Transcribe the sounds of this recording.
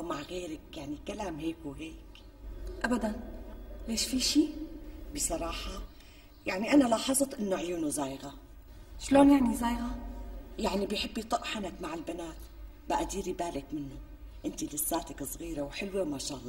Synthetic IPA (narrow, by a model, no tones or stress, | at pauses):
maʕɣeːɾakjaʕnikalaːmɦeːkwɦeːk | ʔabad̪anleːʃfiʃiːbɨsˤɑɾˤɑːħɑ | jaʕniʔanalɑːħɑzˤɨt̪ʔɪnːʊʕjuːnuzaːjɣa | ʃloːnjaʕnizaːjɣajaʕnibɪjħɪbːit̪ˤɑʔħanakmaʕɪlbanaːt̪ | baʔad̪iːɾibaːlɪkmɪnːʊ | ʔɪnt̪ilɪsːaːt̪akɨsˤɣiːɾawħɪlwemaʃaːʔlˤːɑː